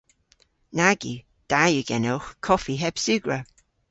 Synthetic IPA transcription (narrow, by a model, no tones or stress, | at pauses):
naɡṵ | d̥ajuɡ̥ɛnɛlxkʰɔfiɦɛb̥sʉɡɹə